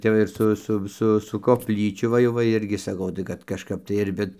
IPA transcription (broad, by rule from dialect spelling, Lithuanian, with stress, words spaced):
ˈtʲɛp ʋɐ ɪr ˈsʊ ˈsʊ ˈsʊ sʊ koːpʲˈlʲiːt͡ʃʲʊ ʋɐ ˈjɛʊ ʋɐ ˈɪrʲɡʲɪ sɐˈkɐʊ tɐɪ ˈkɐt kɐʃˈkɐp tɐɪ ɪr ˈʋʲɪt